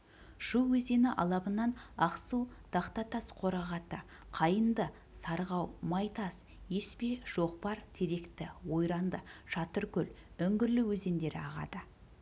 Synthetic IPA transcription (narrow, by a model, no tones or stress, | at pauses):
ʃuwwɵze̞nɪʔɑ̰lˠɑbənɑnɑqsud̪̥ʰɑqt̪ɑt̪ɑsqʰo̞ɾɑʁɑt̪ə | qʰɑjənd̪ə | sɑɾʁɑwmɑjt̪ɑs | je̞spe̞ʒ̥o̞qpɑɾt̪ʰe̞ɾe̞kt̪ɪwo̞jɾɑnd̪əʒ̥ɑt̪əɾkʲɵl | ʏŋɡʲɪɾlɪwɵze̞nd̪e̞ɾɪɑʁɑ̰d̪ə